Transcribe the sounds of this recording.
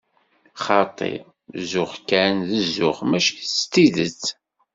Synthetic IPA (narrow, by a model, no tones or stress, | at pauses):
χɑt̪ˤḛ | zʊχkːænðəzːʊχmæʃkst̪iðət͡sː